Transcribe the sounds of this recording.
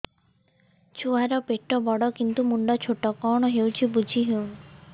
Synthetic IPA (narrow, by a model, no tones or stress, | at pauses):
t͡ʃʰuaɾɔpeʈɔbɔɽɔkint̪umuɳɖɔt͡ʃʰoʈɔkɔɽ̃ɔɦewt͡ʃʰibud͡ʒʱiɦew